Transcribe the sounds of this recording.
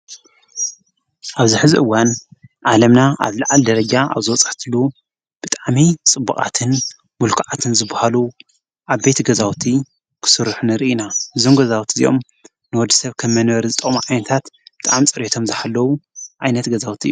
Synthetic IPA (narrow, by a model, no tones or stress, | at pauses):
ʔaβzɨħɨzḭʔɨwːanʕalɐmnaʔa̰βlɨʕald̪ɐɾɐd͡ʒaʔa̰βzɨwɔt͡sʼḁħt̪ʰɨlu | b̥ɨt̪ʼaʕmit͡sʼɨbːɨ̰kʼa̰t̪ʰɨn | mulkʰʕat̪ʰɨnzɨbahalu | ʔaβbe̞t̪ɡɐzawt̪ʰi | kʰɨ̥sɨɾħunɨɾiʔinahɨzomɡɐzawt̪ʰizḭjʔo̞̰m | nɨwɔd̪ɨ̥sɐβkʰɐmːɐnβɐɾizɨt̪ʼɐ̰maʕajnɐt̪ʰat̪b̥ɨt̪ʼaʕmt͡sʼɨɾet̪ʰo̞mzɨħalːɐwuʔajnɐt̪ɡɐzawt̪ʰiʔɨ̰ju